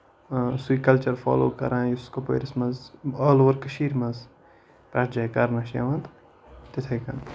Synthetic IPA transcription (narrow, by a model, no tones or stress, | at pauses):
suiːkɐlt͡ʃɐɾfa̰ːlo̰ːkɐ̰ɾãːjuskopo̰ːɾismɐzaːloʋɐɾkɐʃiːɾmɐz | pɾɐd͡ʒɐkɐɾnɐʃḛʋɐ̃nd̪ | t̪it̪ʰekɐ̰n